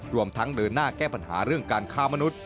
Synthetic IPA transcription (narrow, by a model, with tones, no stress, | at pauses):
ɾu˧əmt̪ʰa˦˥ŋdɤː˧nːaː˥˩kɛː˥˩pa˧nɦa̰ː˩˦ɾɯ˥˩əŋkaː˧nkʰaː˦˥˩ma˧nu˦˥t̪̚